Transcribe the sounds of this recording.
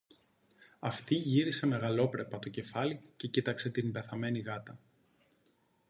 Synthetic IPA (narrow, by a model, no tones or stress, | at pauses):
ɐft̪iʝiɾise̞me̞ɣɐlo̞pɾe̞pɐt̪o̞ce̞fɐlice̞cit̪ɐkse̞t̪inbe̞θɐme̞niɣɐt̪ɐ